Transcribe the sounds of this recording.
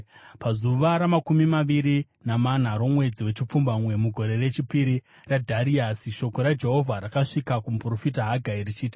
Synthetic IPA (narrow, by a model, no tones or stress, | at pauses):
pazuʋaɾamakumimaʋiɾi | naman̤aɾo̞mwe̞d͡ziwe̞t͡ʃip͡fumbamwe̞muɡʱo̞ɾe̞re̞t͡ʃipiɾi | radʱaɾiasiʃo̞ko̞ɾad͡ʒe̞ɦo̞vʱaɾakaʂikakumpro̞fitaɦaɡʱairit͡ʃiːti̥